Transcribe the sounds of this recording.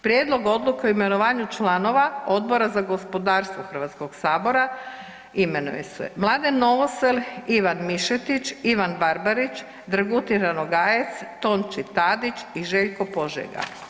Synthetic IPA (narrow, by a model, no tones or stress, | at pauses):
pɾjed̪lˠo̞ɡo̞d̪lˠukeoime̞noʋaːɲut͡ʃlano̞ʋao̞d̪̚boɾazaɡo̞spo̞d̪aːɾst̪ʋoxr̩ʋat̪skoɡsaːbo̞ɾa | ime̞nṵjḛsɛ̰mlˠaːd̪enno̞ʋoseliʋanmiʃet̪it͡ʃiʋanbaɾbaɾit͡ʃ | d̪ɾɡut̪iɾanoɡaːjet̪st̪o̞ːnt͡ʃit̪aːd̪it͡ʃiʒe̞ʎkopo̞ʒḛɡa̰